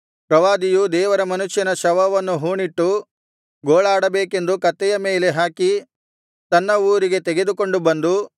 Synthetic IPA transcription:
pɾɐʋaːd̪ijud̪ɛːʋɐɾɐmɐnuʃjɐnɐʃɐʋɐʋɐnːuɦuːɳiʈːu | ɡoːɭaːɽɐbeːke̞nd̪ukɐt̪ːɛjɐme̞ːle̞ɦaːki | t̪ɐnːɐuːɾiɡe̞t̪ɛɡe̞d̪uko̞ɳɖubɐnd̪u

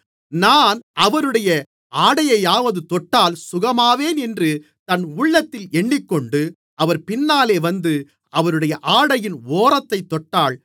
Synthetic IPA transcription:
naːnɐʋɐɾɯɽɐjɐ | aːɽɐjɐjaːʋɐðɯt̪ɔʈːaːlsʊɣɐmaːʋeːnɛndrɯ | t̪ɐnʊɭːɐt̪ːɪlɛɳːɪkːɔɳɖɯ | ʔɐʋɐɾpɪnːaːleːʋɐnd̪ɯ | ɐʋɐɾɯɽɐjɐʔaːɽɐjɪnoːɾɐt̪ːɐɪt̪ːɔʈːaːɭ

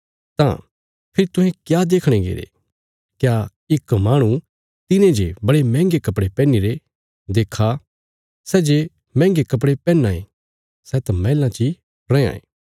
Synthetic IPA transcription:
t̪ã̰ | pʰɪɾit̪ʊ̃ɦẽkjad̪eːkʰɽ̃eɡḛːɾḛ | kja | ɪkmaːɽ̃ũ | t̪ɪnẽd͡ʒebɐɽemɛ̃ːŋɡekɐpɽepɛ̃ːniɾe | d̪eːkʰa | sɛːd͡ʒe | mɛ̃ːŋɡekɐp̬ɽepɛ̃ːnːãːḛ̃ | sɛːt̪ãmɛːlãt͡ʃi | ɾɛ̃ã̰ːḛ̃ː

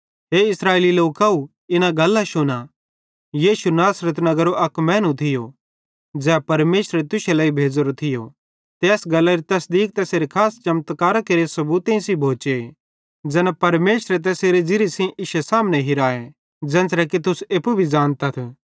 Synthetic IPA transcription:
ɦeɪsɾaːeːliloːkau | ɪnaɡɐlːaʃʊna | jiːʃunaːsɾət̪nɐɡəɾoʔɐkmɛːnũt̪ʰɪjo | d͡zɛːpɐɾmeːʃɾet̪ʊʃelaibʱeːd͡zɾot̪ʰɪjo | t̪eːsɡɐlːaɾit̪ɐsd̪iːk̚t̪ɛseːɾekʰaːst͡ʃɐmt̪kaːɾakeɾiesɐbuːt̪ẽĩsibʱoːt͡ʃe | d͡zɛːnapɐɾmeːʃɾet̪̬ɛːseːɾed͡ʒɪɾisĩʔɪʃesaːmnɛɦɪɾaːe | d͡ʒɛ̃ːnsɾɛkit̪ʊseːpubʱid͡ʒaːnt̪at̪ʰː

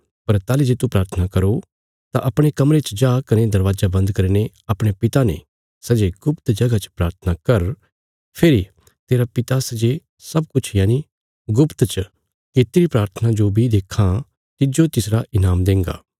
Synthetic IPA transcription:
pɐɾt̪aːlid͡ʒeːt̪upɾaːɾt̪ʰənakɐɾo | t̪ãʔɐpɽ̃ekɐmɾet͡ʃd͡ʒaːkɐned̪ɐɾʋaːzabɐ̃nd̪kɐɾine | ɐpɽ̃epɪt̪anḛ̃ | sɐd͡ʒeɡʊpt̪d͡ʒɐɡat͡ʃpɾaːɾt̪ʰənakɐɾ | pʰeːɾi | t̪eːɾapɪt̪asɐd͡ʒe | sɐbkʊt͡ʃʰjaːni | ɡʊpt̪t͡ʃ | kɪt̪iɾipɾaːɾt̪ʰənad͡ʒobʱid̪eːkʰã | t̪ɪd͡ʒot̪ɪsɾaʔɪnaːmd̪ẽːŋɡa̰ː

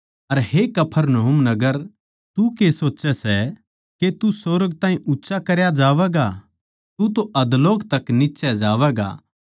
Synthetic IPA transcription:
ɐɾɦekɐpʰəɾnɐɦumnɐɡəɾ | t̪ukesoːtːt͡ʃɛsɛ | ket̪usoɾəɡ̚t̪ãːɦĩʔʊtːʃakɐɾjad͡ʒaːʋɛːɡa | t̪ut̪oʔɐd̪loːkt̪ɐknɪtːʃɛd͡ʒaːʋɛːɡa̰

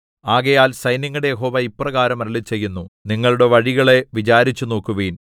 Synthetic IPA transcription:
aːɣɐjaːlsɐjniŋːuɽe̞jeɦo̞ːʋɐipːrɐɣaːɾɐmɐɾɐlit͡ɕːe̞jːunːuniŋːɐɭuɽe̞ʋɐɻiɣɐɭe̞ʋit͡ɕaːɾit͡ɕːuno̞ːkːuʋeːn

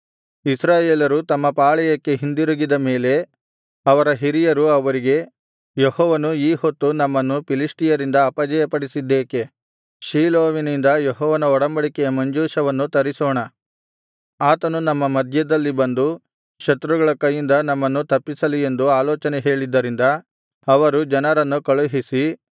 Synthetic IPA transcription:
isɾaːjeːlɐɾut̪ɐmːɐpaːɭɛjɐkːe̞ɦind̪iɾuɡid̪ɐme̞ːle̞ | ɐʋɐɾɐɦiɾijɐɾuɐʋɐɾiɡe̞ | jehɔːʋɐnuiːhot̪ːunɐmːɐnːupiliʂʈijɐɾind̪ɐːpɐd͡ʒɐjɐpɐɽisid̪ːeːke̞ | ʃiːloːʋinind̪ɐjeɦɔːʋɐnɐɔɽɐmbɐɽikɛjɐmɐɲd͡ʒuːʃɐʋɐnːut̪ɐɾisɔːɳɐ | aːt̪ɐnunɐmːɐmɐd̪ʱjɐd̪ɐlːibɐnd̪u | ʃɐt̪ɾuɡɐɭɐkɐjːind̪ɐnɐmːɐnːut̪ɐpːisɐlie̞nd̪uaːlɔːt͡ʃɐneɦe̞ːɭid̪ːɐɾind̪ɐ | ɐʋɐɾud͡ʒɐnɐɾɐnːukɐɭuɦisi

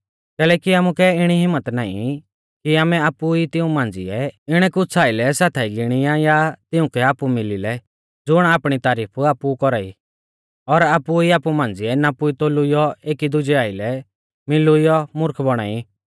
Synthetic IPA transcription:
kɛːlɛːkiaːmukɛɪɽ̃iɦɪmːət̪naːḭ | kiaːmɛaːpuit̪ɪũmãːnd͡zɪ̰ɛɪɽ̃ɛkʊt͡sʰaːɪlɛsaːt̪ʰaːiɡɪɽ̃ɪjãjat̪ɪʊ̃kɛaːpumɪlilɛ | d͡zʊɽ̃aːpɽ̃it̪aːɾiːpʰaːpukɔɾaːḭ | ɔɾaːpuiaːpumãːn̆d͡zɪɛnapʊit̪oːlʊijɔeːkid̪ʊd͡ʒɛaːɪlɛ | mɪlʊijɔmʊɾkʰbɔɽ̃aːi

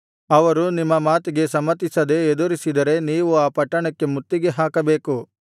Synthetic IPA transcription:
ɐʋɐɾunimːɐmaːt̪iɡe̞sɐmːɐt̪ːisɐd̪e̞ːd̪uɾisid̪ɐɾe̞niːʋuaːpɐʈːɐɳɐkːe̞mut̪ːiɡe̞ɦaːkɐbe̞ːku

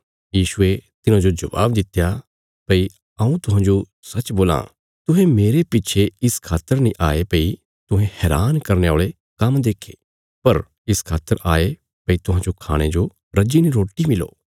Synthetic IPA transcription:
jiːʃʊet̪ɪnãd͡ʒod͡ʒɐʋa̰ːbd̪ɪt̪ja | pɐi | ɐũt̪ʊɦãːd͡ʒo | sɐt͡ʃboːlã̰ | t̪ʊɦẽmeːɾepɪt͡ʃʰeɪskʰaːt̪əɾnĩʔaːepɐi | t̪ʊ̃ɦẽhɛːɾaːnkɐɾneoːɭe | kɐmd̪eːkʰḛː | pɐɾ | ɪskʰaːt̪ːəɾaːe | pɐit̪ʊɦãːd͡ʒokʰa̰ːɽ̃ed͡ʒo | ɾɐd͡ʒiniɾoːʈːimɪlo̰ː

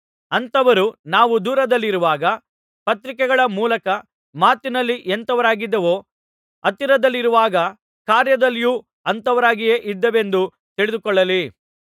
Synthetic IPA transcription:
ɐnt̪ɐʋɐɾunaːʋud̪uːɾɐd̪ɐlːiɾuʋaːɡɐ | pɐt̪ɾikɛɡɐɭɐmuːlɐkɐ | maːt̪inɐlːiʔent̪ɐʋɐɾaːɡid̪ːɐʋoː | ɐt̪iɾɐd̪ɐlːiɾuʋaːɡɐ | kaːɾjɐd̪ɐlːjuː | ɐnt̪ɐʋɐɾaːɡijeːʔid̪ːɐʋe̞nd̪u | t̪iɭɪd̪ukɔɭːɐli

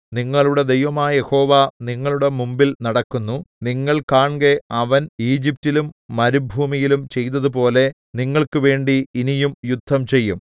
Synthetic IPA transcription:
niŋːɐɭuɽe̞d̪e̞jʋɐmaːje̞ho̞ːʋaniŋːɐɭuɽe̞mumbilnɐɽɐkːunːuniŋːɐɭkaːɳɡe̞ɐʋɐniːd͡ʑip̚tːilumːɐɾubʱuːmijilumt͡ɕe̞jt̪ːɐðup̬o̞ːle̞ | niŋːɐɭkɨʋe̞ːɳɖiːnijumjud̪ʱːɐmt͡ɕe̞jːum

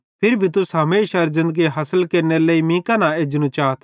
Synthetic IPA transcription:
pʰɪɾbʱit̪̬ʊsɦɐmẽɪʃɐɾzɪ̃nd̪əɡiɦɐsəlkɐɾneleimĩːkanaeːd͡ʒnũt͡ʃaːt̪ʰ

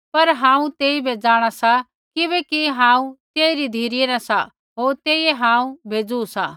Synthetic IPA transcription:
pɐɾɦãːũt̪eːibʱed͡zaːɽ̃asa | kɪβɛkiɦãːũt̪eːiɾid̪ʱiːɾɪjeɾasa | ɦoːɾt̪eːieɦãːũbʱeːd͡zuusa̰

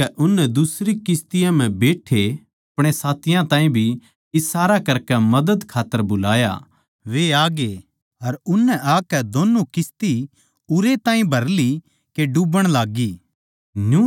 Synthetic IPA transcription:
ɛʔʊnːɛd̪ʊsɾikɪst̪ɪjãm̤ɛ̃beːʈʰe | ɐpɽ̃esaːt̪ɪjãt̪ãːĩbʱi | ɪsaːɾakɐɾkɛmɐd̪əd̪kʰaːt̪ːəɾbʊlaːja̰ | ʋeaːɡe | ɐɾʊnːɛʔaːkɛd̪oːnːukɪst̪i | ʊɾet̪ãːĩbʱɐɾli | keɖubəɽ̃laːɡiː | nu

